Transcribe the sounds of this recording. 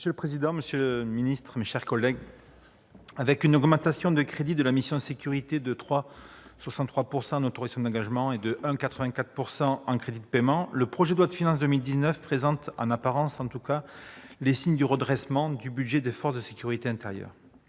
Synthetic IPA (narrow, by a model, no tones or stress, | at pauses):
məsjøləpχezid̪ɑ̃məsjølminist̪χmeʃɛʁkɔlɛɡ | avɛkynɔɡmɑ̃t̪asjɔ̃d̪əkχed̪id̪əlamisjɔ̃d̪əsekʲyʁit̪ed̪ət̪χwa | swasɑ̃t̪t̪χwapuʁsɑ̃ɑ̃not̪ɔʁizasjɔ̃d̪ɑ̃ɡaʒmɑ̃ed̪əʔɛ̃kat̪χəvɛ̃kat̪χpuʁsɑ̃ɑ̃kχed̪id̪əpemɑ̃ləpχɔʒed̪lwat̪əfinɑ̃s̬d̪əmild̪iznœfpχezɑ̃t̪ɑ̰̃napaʁɑ̃sɑ̃t̪ukalesiɲd̪yʁəd̪ʁɛsmɑ̃d̪ybyd̪ʒed̪efɔʁsd̪əsekʲyʁit̪eɛ̃t̪eʁjœ̰ːʁ